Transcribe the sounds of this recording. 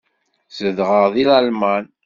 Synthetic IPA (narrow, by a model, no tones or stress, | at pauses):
səðʁəʁðˤilælmæn